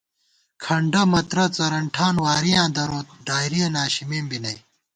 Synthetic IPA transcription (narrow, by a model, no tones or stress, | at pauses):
kʰɐɳɖɐmɐt̪ɾɐt͡sɐɾɐɳʈʰaːnwaːɾijãːd̪ɐɾoːt̪̚ɖaːjɾiɐnaːɕimeːmbinɐ̰j